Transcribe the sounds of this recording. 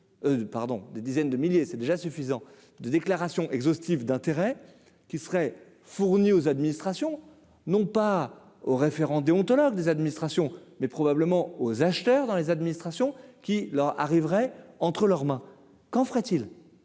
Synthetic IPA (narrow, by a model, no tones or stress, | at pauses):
paʁd̪ɔ̰̃d̪ed̪izɛnd̪əmiljesɛd̪eʒasyfizɑ̃ | d̪əd̪eklaʁasjɔ̃ʔɛɡzost̪ivd̪ɛ̃t̪eʁɛ | kʲisəʁɛ | fuʁniozad̪minist̪χasjɔ̃ | nɔ̃pa | oʁefeʁɑ̃d̪eɔ̃t̪ɔlɔɡ̚d̪ezad̪minist̪χasjɔ̃mɛpχɔbabləmɑ̃ozaʃt̪œʁd̪ɑ̃lezad̪minist̪χasjɔ̃kʲilœʁa̰ʁivʁɛɑ̃t̪χəlœʁmɛ̃ | kɑ̃fəʁɛt̪il